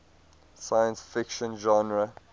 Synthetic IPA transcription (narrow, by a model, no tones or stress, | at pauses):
sajə̃nsfɪkʃə̃nʒɔ̃nɹə